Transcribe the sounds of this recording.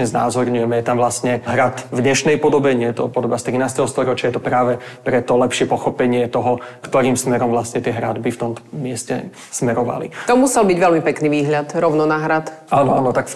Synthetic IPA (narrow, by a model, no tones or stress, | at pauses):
ɲɛzna̰ːzɔɾɲujɛmɛjɛt̪amʋlast̪ɲɛɦɾat̪vdɲɛʃnɛjpɔd̪ɔbɛɲɪɛt̪ɔpɔd̪ɔbast̪ɾinaːst̪ɛɦɔst̪ɔɾɔt͡ʃɪajɛt̪ɔpɾaːʋɛpɾɛt̪ɔlɛpʃɪɛpɔxɔpɛɲɪɛt̪ɔɦɔkt̪ɔɾiːmsmɛɾɔmʋlast̪ɲɛt̪ɪɛɦɾa̰d̪bift̪ɔmt̪ɔ̥mɪɛscɛ̰ | smɛɾɔʋa̰lḭt̪ɔmusɛlbiɟʋɛlmipɛkniʋiːɦʎat̪ɾɔʊnɔnaɦɾat̪aːnɔaːnɔt̪ak